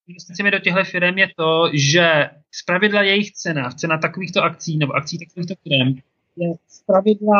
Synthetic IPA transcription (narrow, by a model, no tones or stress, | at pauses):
ɪnvɛst̪ɪt͡sɛmɪdo̞cɛɦlɛfɪɾɛmjɛt̪o̞ʒɛ | spɾavɪdlajɛjɪxt͡sɛnaft͡sɛnat̪akoviːxt̪oʔakt͡siːnɛboʔak̚t͡siːt̪akoviːxt̪o̞fɪɾɛm | jɛspɾavɪdla